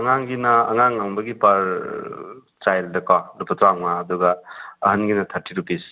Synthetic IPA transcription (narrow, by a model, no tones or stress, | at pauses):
ɐŋaŋɡinɐːŋaŋawŋbɐɡipaɾ | tajldɐkalupʰɐt̪ɾaŋmaːd̪uɡɐːɦɐnɡinɐt̪ʰɐɾtʰiɾupis